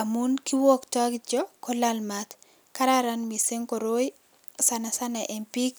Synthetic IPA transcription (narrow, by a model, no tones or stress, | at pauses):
amunkiwoktɔɡd͡ʒɔkɔlalmat̪ | kaɾaɾanmiseŋkɔɾoj | sanasanaʔempik